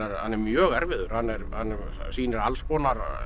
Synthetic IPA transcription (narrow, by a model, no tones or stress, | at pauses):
ɛɾhanːɛɾmjœːɣɛɾvɪðʏɾ̥hanːɛɾhanːɛ | siːnɛɾalspɔːnaɾ